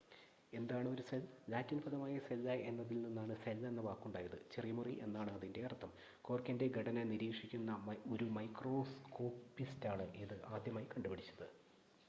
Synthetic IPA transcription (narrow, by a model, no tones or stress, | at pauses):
e̞nd̪aːɳɨo̞ɾuselːaːtːinfʰɐðɐmaːjɐselːae̞nːɐðilninːaːɳɨselːe̞nːɐbaːkːuɳɖaːjɐðɨt͡ɕerijmuriʔe̞nːaːɳɨɐðinde̞ɐrt̪ʰːɐm | ko̞ːrkʲːɐnde̞ɡʱɐɽɐnɐniɾiːkʂikʲːunːɐoɾumɐjkro̞ːsko̞ːpːistaːɳɨʔiðɨʔaːd̪ʱjɐmaːjikɐɳɖubɐɽit͡ɕːɐðɨ